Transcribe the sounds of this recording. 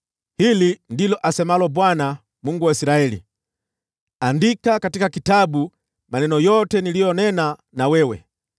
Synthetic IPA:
hilindilɔʔasɛmalɔbwana | muŋɡuwaisiɾaɛlḭ | andikakatikakitabu | manɛnɔjɔtɛnilijɔnɛna | nawɛwɛ̰

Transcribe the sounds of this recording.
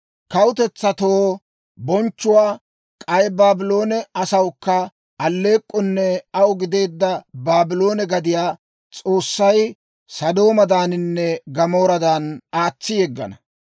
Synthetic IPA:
kɐwʊt̪ɛt͡sːɐt̪oː | bɔnt͡ʃːʊwaː | kʼɐjbaːbɪlo̞ːnɛɐsɐwkːɐ | ɐlːe̞ːkʼːɔnːɛɐwʊɡɪd̪e̞ːd̪ːɐbaːbɪlo̞ːnɛɡɐd̪ɪjaː | t͡sʼo̞ːsːɐj | sɐd̪o̞ːmɐd̪aːnɪnːɛɡɐmo̞ːɾɐd̪ɐnaːt͡sːɪjɛɡːɐ̰nɐ

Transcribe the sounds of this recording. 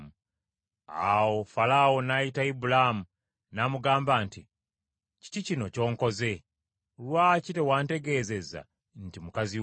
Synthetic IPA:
a̰wo̞falawo̞najitaibulamu | namuɡaːmbaːnti | ci̥ticino̞co̞ːŋko̞ze̞ | lwaːcite̞waːnte̞ɡe̞ːze̞za̰ | n̩timukazi

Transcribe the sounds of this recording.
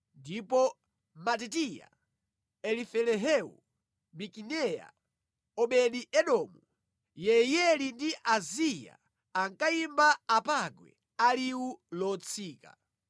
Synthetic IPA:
ndipɔ | matɛtija̰ | ɛlifɛlɛɦɛṵ | mikinɛja̰ | ɔɓɛɗiʔɛɗɔmu | jɛjɛlindiʔazija̰ | aŋkaimbaapaɡwɛ̰ | aliwulɔt͡sʰiːka̰

